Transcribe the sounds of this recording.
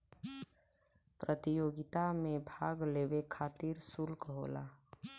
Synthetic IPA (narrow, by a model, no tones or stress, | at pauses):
pɾət̪ijoːɡɪt̪amẽbʱaːɡleːwekʰaːt̪iɾsulkɦo̰ːla̰ː